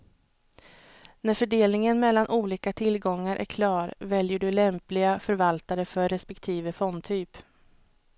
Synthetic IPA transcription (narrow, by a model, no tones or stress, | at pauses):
næɾfœɖeːlnɪŋənmɛlːanʔuːliːkat̪ʰɪlɡɔŋːaɾʔæ̰ɾkʰlɑːɾvɛljəɖɵlɛmplɪɡafœɾvalt̪aɾəfœːɛspɛkt̪ʰiːvəfɔnd̪t̪ʰyːp